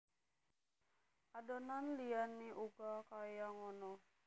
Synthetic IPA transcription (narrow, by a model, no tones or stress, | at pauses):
adɔnanlianːiʔuɡakajaŋɔnɔ